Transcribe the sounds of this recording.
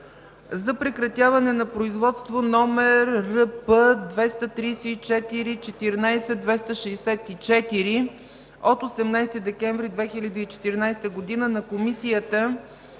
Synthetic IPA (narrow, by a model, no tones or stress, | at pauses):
zɐpɾɛkɾɐt̪javɐnɛnɐpɾoizvɔt̪st̪vonɔmɛɾːəpəd̪vɛst̪ət̪ɾijsɛit͡ʃɛt̪iɾit͡ʃɛt̪iɾnajsɛd̪vɛst̪əʃɛːsɛt̪it͡ʃɛt̪iɾi | ot̪osɛmnajst̪id̪ɛkɛɱvɾid̪vɛxilʲəd̪iit͡ʃɛ̥t̪iɾnajst̪əɡod̪inənɐkomisijət̪ə